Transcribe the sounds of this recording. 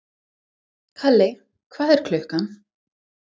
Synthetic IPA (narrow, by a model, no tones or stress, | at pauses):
kʰalːe | kʰvaːðɛɾ̥kʰlœhkan